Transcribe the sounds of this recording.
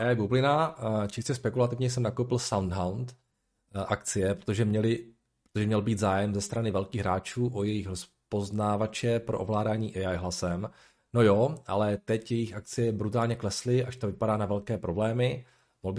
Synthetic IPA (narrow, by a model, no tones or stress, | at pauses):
ʔɛajbublɪnat͡ʃɪscɛspɛkulat̪ɪvɲɛjs̬ɛmnakowpɪlsawnd̪ɦawnt̪ | ʔakt͡sɪjɛpɾot̪oʒɛmɲɛlɪ | pɾot̪oʒɛmɲɛlbiːd̪zaːjɛmzɛst̪ɾanɪvɛlkiːɣɦɾaːt͡ʃuːʔojɛjɪxɾos | po̞znaːvat͡ʃɛpɾoʔovlaːdaːɲiːʔɛajɦlasɛm | no̞joʔa̰lɛt̪ɛcjɛjɪxʔak̚t͡sɪjɛbɾut̪aːlɲɛklɛslɪʔaʃt̪ovɪpadaːnavɛlkɛːpɾo̞blɛːmɪ | molbɪ